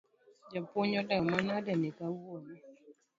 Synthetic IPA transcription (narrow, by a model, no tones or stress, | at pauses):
d͡ʒapoɲɔdamanadɛnikawoni